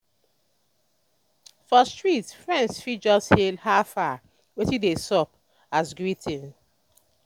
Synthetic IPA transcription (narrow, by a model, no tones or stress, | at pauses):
fɔstɹitfɹɛ̃ndsfid͡ʒɔshelhafa | wetidesɔp̚ | asɡɹitʰĩn